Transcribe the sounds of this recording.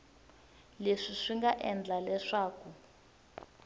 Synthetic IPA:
leʂiʂiŋɡaʔɛnd͡ɮalɛʂaːku

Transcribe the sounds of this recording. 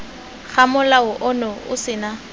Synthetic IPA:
k͡xamʊlaʊʔʊnɔʊ̰sɪna

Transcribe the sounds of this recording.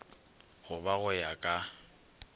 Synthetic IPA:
ɣʊbaɣʊjakʼa

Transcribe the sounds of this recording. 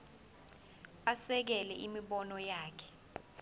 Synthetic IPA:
asɛk̬ɛlɛʔimiɓɔnɔjaːkʰɛ̥

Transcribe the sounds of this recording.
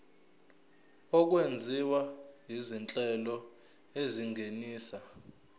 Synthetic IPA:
ɔk̬wend͡zʱiwaɦizint͡ɬʼɛlɔ | eziŋɡeniːsa

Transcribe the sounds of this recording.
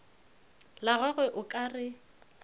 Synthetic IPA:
laɣwaɣwɛʔʊkʼarɪ

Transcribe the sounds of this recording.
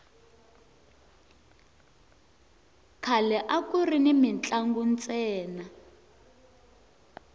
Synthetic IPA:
kʰalɛʔakurinimint͡ɬʼaŋɡunt͡sʼɛːna

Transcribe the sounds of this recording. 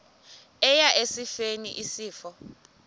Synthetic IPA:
ɛjaʔesifenḭʔisiːfɔ

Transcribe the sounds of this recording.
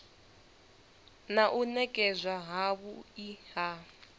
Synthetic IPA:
naʔunɛkʼɛzʷaɦaβuiha

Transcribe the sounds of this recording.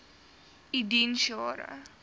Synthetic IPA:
idinʃɔːɾə̰

